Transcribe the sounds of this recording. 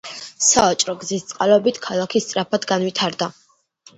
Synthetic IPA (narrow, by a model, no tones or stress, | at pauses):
saat͡ʃʼɾɔɡzist̪sʼqʼalɔbit̪ʰkʰalˠakʰist̪sʼɾapʰad̪ɡanwit̪ʰaɾd̪a